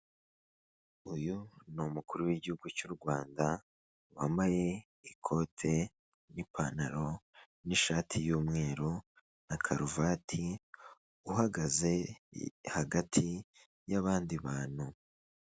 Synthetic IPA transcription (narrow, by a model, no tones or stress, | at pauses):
ujunomukuɾuwiɟihuɡucuɾɡwaːnda | wambaje̞ | ikʰo̞tʰe̞ | nipʰanaɾo̞ | niʃaːtʰijuːmŋe̞ːɾu | nakʰaɾuvatʰi | uɦaɡaze̞ | haɡatʰi | jaβaːndiβaːn̥hu